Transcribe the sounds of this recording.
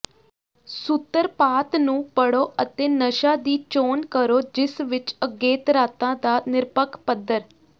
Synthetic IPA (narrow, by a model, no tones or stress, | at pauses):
sʊt̪ːəɾpaːt̪nũːpəɽoːʔət̪eːnəʃãːd̪iːt͡ʃoːnkəɾoːd͡ʒɪsʋɪt͡ʃəɡːeːt̪əɾaːt̪ãːd̪aːnɪɾpəkʰpəd̪ːəɾ